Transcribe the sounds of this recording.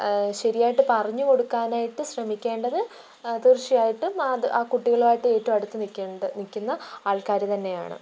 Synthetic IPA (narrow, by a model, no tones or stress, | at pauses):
ɕɐɾijaːjiʈːɨpɐrɐɲːuko̞ɽukːaːnaːjiʈːɨɕrɐmikʲːe̞ːɳɖɐðɨ | t̪ɨrt͡ɕijaːjiʈːumaɨʔaːkuʈːiɣɐɭaːjiʈːɨe̞ːtːɐmɐɽut̪ːɨnikʲːɐɖnikʲːunːɐaːɭkaːɾɐt̪ɐnːe̞ja̰ːɳɨ̰